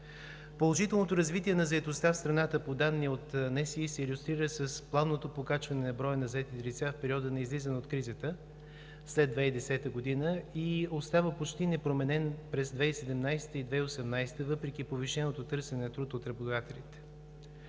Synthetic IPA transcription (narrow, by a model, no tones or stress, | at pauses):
polˠoʒit̪ɛlˠnot̪oɾɐzvit̪iɛnɐzɐɛt̪ost̪afst̪ɾɐnat̪əpod̪anːiot̪nɛsiisɛilʲust̪ɾiɾəsəsplˠavnot̪opokat͡ʃvɐnɛnɐbɾɔjənɐzɐɛt̪it̪ɛlit̪safpɛɾiɔd̪ənɛizlizənot̪kɾizət̪ə | slɛd̪vɛid̪ɛsɛt̪əɡod̪inəiost̪avəpot͡ʃt̪inɛpɾomɛnɛnpɾɛzd̪vɛisɛd̪ɛmnajst̪əid̪vɛiosɛmnajst̪əvɤpɾɛk̟ʲipoviʃɛnot̪ot̪ɤɾsɛnɛnɐt̪ɾut̪ot̪ɾɐbod̪d̪at̪ɛlʲit̪ɛ̥